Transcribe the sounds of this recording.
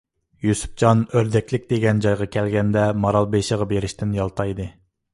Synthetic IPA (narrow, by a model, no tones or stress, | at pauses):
jusu̥p̚d͡ʒɑnøɾd̪ɛkʲlɪkʲd̪eɡʲɛnd͡ʒɑjʁɑkʲʰɛlɡʲɛnd̪ɛmɑɾɑlˠbeʃəʁɑbeɾɪʃt̪ɪnjɑlˠt̪ʰɑjd̪ɨ